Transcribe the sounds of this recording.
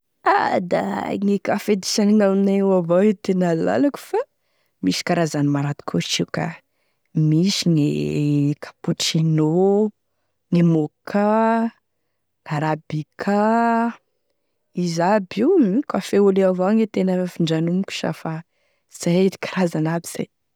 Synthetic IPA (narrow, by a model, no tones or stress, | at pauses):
ad̪a̰ŋikafed̪i̥saniŋaminawavait̪enalla̰laku̥fa | misi̥kaɾazanimaɾat̪i̥kʰot͡ʃika̰ | misiŋekʰḁpuʈ͡ʂino | ŋemokʰa | aɾabikʰa | izabiikʲafeoleavaŋet̪enəfiɳɖ͡ʐanumkʲu̥ʃa̰fa | z̥ai̥kʰḁɾazanabiz̥a̰j